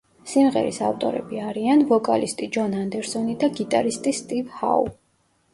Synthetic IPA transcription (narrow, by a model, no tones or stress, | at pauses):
simʁɛ̰ɾḭsa̰ft̪ʼɔ̰ɾɛ̰biaɾianvɔkʼalist̪ʼid͡ʒɔnand̪ɛɾsɔnid̪aɡit̪ʼaɾist̪ʼist̪ʼivha̰u